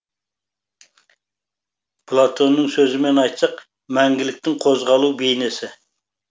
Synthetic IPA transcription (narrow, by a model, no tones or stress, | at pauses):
pʰlˠat̪ʰo̞nːəŋsɵzɪme̞nɑjt̪sɑq | mæŋɡʲɪlɪk̚ʲt̪ɪŋqʰozʁɑlˠubejnesɪ